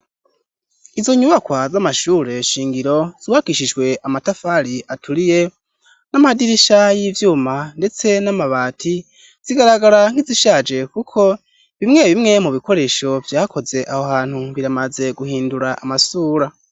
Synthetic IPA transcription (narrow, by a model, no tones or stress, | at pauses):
izo̞ɲuβakwazamaʃuːɾe̞ʃiːŋɡiɾo̞z̥iwakiʃid͡ʒɡwe̞ʔamatafaɾiʔatʰuɾije̞ | namahadiɾiʃajivjuːmande̞t͡se̞namaβaːtʰi | z̥iɡaɾaɡaɾaŋ̥hiziʃaːd͡ʒe̞kukʰo̞ | βimŋe̞βimŋe̞muβiko̞ɾe̞ʃo̞vjaːkʰo̞ze̞ʔahohaːn̥huβiɾamaze̞ɡuɦiːnduɾaʔamasuːɾa